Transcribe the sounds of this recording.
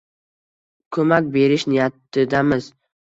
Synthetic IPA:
kʰɵmakʲbe̞ɾɪʃnɪjat̪ːɪd̪amɪz

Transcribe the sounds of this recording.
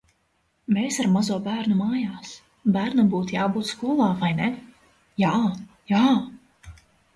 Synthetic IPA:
meːsaɾmazuɔbæːɾnumaːjaːs | bæːɾnabuːt̪jaːbuːt̪skuɔlˠaːvajne | jaː | jaː

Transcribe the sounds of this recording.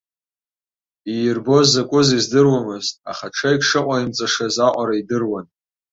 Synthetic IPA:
ijrbo̞zakʷʼʊzizdɨrwamɨztʼa̰χaʈ͡ʂʰaikʂɨqʷʼaimt͡sʼaʂazaʔʷʼaɾaidɨrwan

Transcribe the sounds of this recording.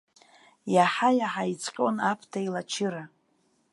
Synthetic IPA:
jaħajaħait͡sʼqʲʼo̰napʰtʰailat͡ʃʰɪɾa

